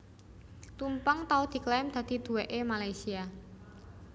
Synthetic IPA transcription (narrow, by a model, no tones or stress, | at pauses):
t̪umpaŋt̪aud̪̥i̤klamd̪̥ä̤d̪̥i̤d̪̥ṳweʔemalajsia